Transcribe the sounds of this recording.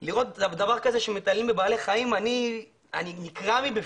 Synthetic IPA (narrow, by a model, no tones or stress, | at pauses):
liʁo̞t̪ad̪avaʁkaze̞ʃemet̪alimbebaːleχaimani | a̰ninikʁamibe